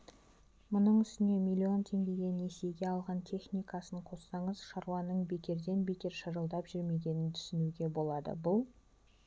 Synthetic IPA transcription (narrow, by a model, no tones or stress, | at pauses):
mʊnəɴʏst̪ɪne̞milʲio̞nt̪ʰe̞ŋɡʲe̞ɡʲe̞ne̞se̞jɡʲe̞ɑlˠʁɑnt̪ʲʰe̞χnijkɑsəɴqʰo̞sːɑɴəzʃɑɾuɑnəɴbe̞kʲe̞ɾd̪e̞nbe̞kʲe̞ɾʃəɾəlˠd̪ɑpʒ̥ʏɾme̞ɡʲe̞nɪnt̪ʰʏ̥sɪnuɡʲe̞bo̞lˠɑd̪ə̰bʊlˠ